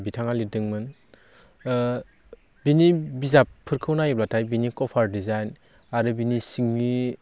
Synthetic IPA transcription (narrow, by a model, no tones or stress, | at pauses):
bitʰaŋalidɯŋmɯn | binibizapʰːɯɾkʰɯwnajiplatʰajbinikɔpʰaɾdizajn | aɾɯbinisiŋni